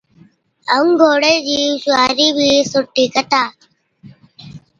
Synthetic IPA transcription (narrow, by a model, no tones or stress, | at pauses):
əŋɡʱoːɽeːd͡ʑiːʃʊaːɾiːbʱiːsʊʈːiːkət̪aː